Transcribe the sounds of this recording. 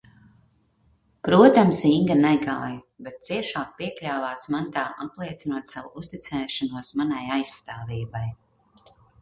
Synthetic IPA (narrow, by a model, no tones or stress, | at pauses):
pɾuɔt̪amsiŋɡanɛɡaːj | bet̪̚t̪siɛʃaːk̚piɛklʲaːvaːsmant̪aːʔaplˠiɛt̪sinuɔt̪savuust̪it̪sɛːʃanuɔsmanajajsːt̪aːviːbaj